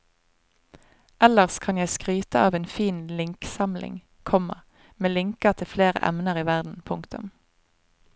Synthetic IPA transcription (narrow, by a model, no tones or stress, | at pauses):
ʔɛləʁskʰɑnjæɪskʁyːt̪əɑːʋeːnfiːnlɪŋksɑmlʔɪ̰ŋ | kʰɔmɑ̰ | meːlɪŋkət̪ʰɪlfleːʁə̰ʔɛ̰mnəʁiːʋæʁd̪n̩pʰʊŋkt̪ʊ̰m